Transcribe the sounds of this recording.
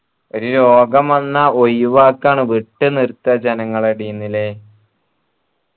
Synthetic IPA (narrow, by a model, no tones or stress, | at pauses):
o̞ɾulo̞ːɡɐmɐnːɐojuʋaːkːaːɳɨʋiʈːɨnirt̪ːɐd͡ʑɐnɐŋːɐɭɐɽijunːile